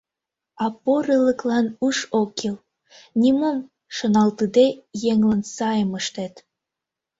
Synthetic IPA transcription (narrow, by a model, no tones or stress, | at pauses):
ɑpoɾeləklɑnuʃokil | nʲimom | ʃonɑlt̪ɨd̪ejeŋlənsɑjəməʃt̪et̪